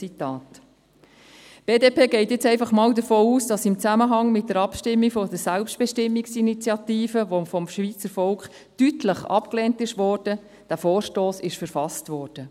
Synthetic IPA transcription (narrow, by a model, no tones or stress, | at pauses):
t͡sitɑːt | b̥eːdeːpʰeːɡɛɪtjɛt͡sɛɪfɑχmɑːldəɾfoːuːsd̥ɑsɪmt͡sæməɦɑŋmɪt̚d̥əɾɑpʃtɪmːikfɔd̪əɾsælpʃtb̥ɛʃtɪmːiksinit͡sjɑtiːfəʋofɔmʃʋiːt͡səɾfɔlkχ | tytləχɑ̰pkleːntɪʃʋɔːɾd̥ə | d̥æfoːɾʃtoːsɪʃfəɾfɑstʋɔːrd̥ə